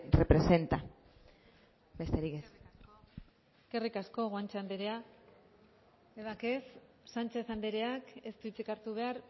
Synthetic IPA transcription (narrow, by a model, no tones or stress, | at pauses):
repɾese̞nt̪a | be̞st̪e̞ɾikes | kerikasko̞ɣoant͡ʃeand̪eɾe̞a | eβake̞s | sant͡ʃe̞θand̪eɾeake̞st̪uit͡sikaɾt̪uβ̞e̞aɾ